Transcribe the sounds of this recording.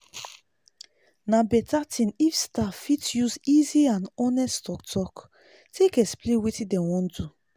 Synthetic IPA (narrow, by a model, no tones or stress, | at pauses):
nabɛtatʰĩnifstafitjuziziãnɔnɛsttɔktʰɔk | tʰekɛsplewetĩdɛ̃wɔ̃ndu